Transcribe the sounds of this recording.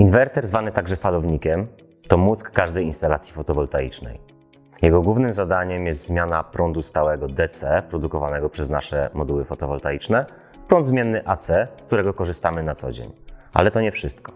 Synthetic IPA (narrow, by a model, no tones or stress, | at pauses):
invɛɾt̪ɛɾzvanɘt̪aɡʐɛfalɔvɲikʲɛm | t̪ɔmuskːaʐd̪ɛjinst̪alat̪sʲjifɔt̪ɔvɔlt̪aḭt͡ʂnɛ̰j | jɛɡɔɡwuvnɘmzad̪aɲɛmjɛs̬t̪zmʲjanapɾɔnd̪ust̪awɛɡɔd̪ɛt̪sɛpɾɔd̪ukɔva̰nɛɡɔpʂɛzna̰ʂɛ̰mɔd̪uwɘfɔt̪ɔvɔlt̪ait͡ʂnɛ | fpɾɔnd̪zmjɛnːɘʔat̪sɛskt̪uɾɛɡɔkɔʐɘst̪amɘnat̪sɔ̰d͡ʑḛɲʔa̰lɛt̪ɔɲɛfʂɘst̪kɔ̥